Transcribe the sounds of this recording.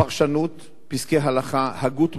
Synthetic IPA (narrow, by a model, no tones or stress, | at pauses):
aʁʃanut̪ | piskeɦalaχahaɡut̪